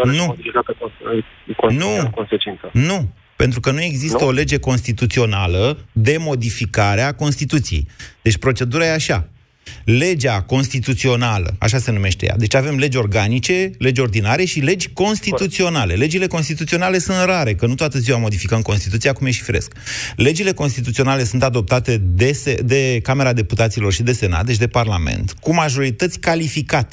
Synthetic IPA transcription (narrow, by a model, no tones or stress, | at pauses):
nuod̪ifikat̪ək | konnukonset͡ʃint̪sənu | pe̞nt̪ɾukənue̞ɡzist̪əo̞le̞d͡ʒe̞ko̞nst̪it̪ut̪sio̞naləd̪e̞mo̞d̪ifikaɾeako̞nst̪it̪ut̪sijejd̪̥e̞t͡ʃʲpɾo̞t͡ʃe̞d̪uɾajeaʃa | le̞d͡ʒako̞nst̪it̪ut̪sio̞nalə̰a̰ʃ̬ase̞nume̞ʃt̪e̞ja̰d̪e̞t͡ʃave̞mle̞d͡ʒʲo̞rɡanit͡ʃe̞le̞d͡ʒʲo̞rd̪inaɾe̞ʃile̞d͡ʒʲko̞nst̪it̪ut̪sio̞nale̞le̞d͡ʒile̞ko̞nst̪it̪ut̪sio̞nale̞sunt̪raɾe̞kənut̪oat̪əziwamo̞d̪ifikəmko̞nst̪it̪ut̪siakumjeʃi̥fiɾe̞̰skle̞d͡ʒile̞ko̞nst̪it̪̬ut̪sio̞nale̞sunt̪ad̪o̞p̚t̪at̪e̞d̪esed̪e̞kame̞ɾad̪e̞put̪at̪silo̞rʃid̪e̞se̞na̰t̪d̪et͡ʃ̬ʲd̪e̞parlame̞̰nt̪kumaʒo̞ɾit̪ət̪sʲkalifikat̪e̥